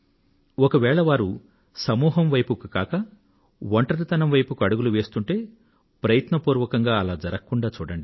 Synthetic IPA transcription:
ɔkɐʋɛːɭɐʋaːɾu | sɐmuːɦɐmʋɐjpukukaːkɐ | ʋɔɳʈɐɾit̪ɐnɐmʋɐjpukuɐɽuɡuluʋe̞ːst̪uɳʈe̞ː | pɾɐjɐt̪nɐpuːɾʋɐkɐŋɡaːɐlaːd͡ʒɐɾɐkɐkːuɳɖaːt͡ʃuːɽɐɳɖi

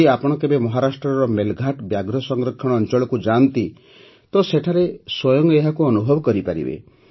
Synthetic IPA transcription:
iapɔɽ̃ɔkebemɔɦaɾasʈɾɔɾɔmelɡʱaʈbjaɡɾɔsɔŋɡɾɔkʰːɔɽ̃ɔːnt͡ʃɔɭɔkud͡ʒant̪i | t̪ɔseʈʰaɾeswɔjɔŋɡeɦakuɔnubʱɔbɔkɔɾipaɾḭbḛ

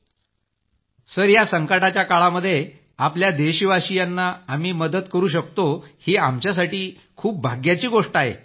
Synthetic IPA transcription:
səɾjasəŋkəʈat͡ɕjakaɭaməd̪ʱːje | apljad̪eɕiʋaɕijanːaam̤iːməd̪ət̪kəɾuːɕ̬ək̚t̪oheamt͡ɕjas̬aʈiː | kʰuːp̚bʱaɡjat͡ɕiːɡoʂʈaɦḛ

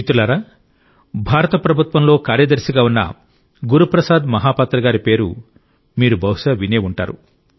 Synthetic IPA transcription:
it̪ulaːɾaː | bʱaːɾɐt̪ɐpɾɐbʱut̪ʋɐmlo̞ːkaːɾjɐd̪ɐɾsiɡaːunːɐ̰ | ɡuɾupɾɐsaːd̪mɐɦaːpaːt̪ɾɐɡaːɾipe̞ːɾṵ | miːɾubʱɐwʂɐʋineːuɳʈa̰ːɾu

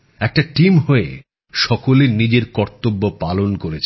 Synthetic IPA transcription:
ɛk̚ʈaʈimɦoe | ʃɔkolenid͡ʑeɾkɔɾt̪obːopalonkoɾet͡ɕʰ

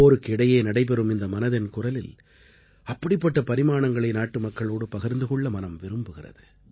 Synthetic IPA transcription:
oːɾɯkːɪɽɐjeːnɐɽɐɪp̬ɛɾɯmɪnd̪ɐmɐnɐðɪnkʊrɐlɪl | ɐpːɐɽɪpːɐʈːɐpɐɾɪmaːɳɐŋɡɐɭɐɪnaːʈːɯmɐkːɐɭoːɽɯpɐɣɐɾnd̪ɯɣɔɭːɐmɐnɐmʋɪɾɯmbɯɣɪrɐ̰ðɯ

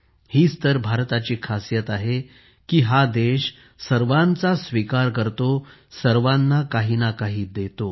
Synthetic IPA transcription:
hiːst̪əɾbʱaɾt̪at͡ɕiːkʰasjət̪aɦe | kiːɦad̪eɕ | səɾʋãnt͡sasʋikaɾkəɾt̪osəɾʋanːakaɦiːnakaɦiːd̪et̪o

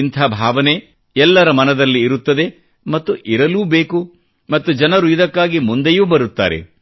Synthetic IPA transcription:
int̪ʰaːbʱaːʋɐne̞ | ɛlːɐɾɐmɐnɐd̪ɐlːiːɾut̪ːɐd̪e̞ | mɐt̪ːuʔiɾɐluːbe̞ːku | mɐt̪ːud͡ʒɐnɐɾuid̪ɐkːaːɡimund̪ejuːbɐɾut̪ːa̰ːɾe̞̰

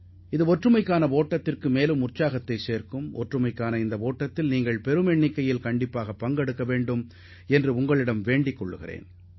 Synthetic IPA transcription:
ɪðɯɔʈrɯmɐɪkːaːnɐʋoːʈːɐt̪ːɪrkɯmeːlɯmʊrt͡ʃːaːɣɐt̪ːɐɪseːrkɯmɔ̰ʈrɯmɐɪkːaːnɐɪnd̪ɐʋoːʈːɐt̪ːɪlniːŋɡɐɭpɛɾɯmɛɳːɪkːɐjɪlkɐɳɖɪpːaːɣɐpːɐŋɡɛɽɯkːɐʋeːɳɖɯm | ɛndrɯʊŋɡɐɭɪɽɐmʋeːɳɖɪkːɔɭːɯ̰ɣɪ̰rḛːn

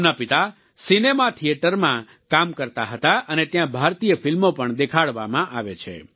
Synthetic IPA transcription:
napit̪a | sinemat̪ʰijeʈəɾmã | kamkəɾt̪aɦət̪aʔənet̪jãbʱaɾt̪ijəfilmopəɳd̪ekʰaɽʋamãʔaʋet͡ʃʰḛ

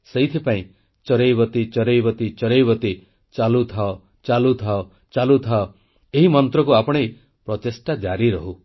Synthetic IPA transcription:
seɦit̪ʰipaĩ | t͡ʃɔɾejbɔt̪it͡ʃɔɾejbɔt̪it͡ʃɔɾejbɔt̪i | t͡ʃalut̪ʰaɔ | t͡ʃalut̪ʰaɔ | t͡ʃalut̪ʰaɔ | eɦimɔnt̪ɾɔkuapɔɽ̃ej | pɾɔt̪esʈad͡ʒaɾiɾɔɦu

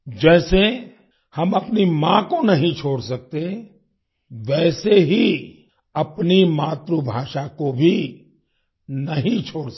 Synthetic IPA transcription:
d͡ʒɛːse | hɐmɐpnimãkonɐɦĩt͡ʃʰoːɽsɐk̚t̪e | ʋɛːseɦi | ɐpnimaːt̪ɾubʱaːʃakobʱi | nɐɦĩt͡ʃʰoːɽ

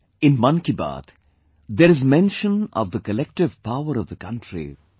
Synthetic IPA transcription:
ɪ̃nmʌ̃nkiba̰ːd̪ | d̪eɾɪzmɛ̃nʃə̃nɔ̰vd̪əkəlɛk̚ʈɪvpaʊəɾɔvd̪əkʌ̃nʈɾḭ

